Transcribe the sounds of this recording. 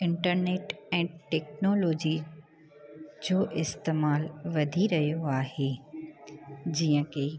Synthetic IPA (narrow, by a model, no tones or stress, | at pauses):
ɪ̃ɳʈəɾneːʈɛ̃ːʈɛːk̚noːloːd͡ʑi | d͡ʑoːʔɪst̪eːmaːlʋɐd̪ʱiɾɐɦijoaːɦeː | d͡ʑiːə̃keː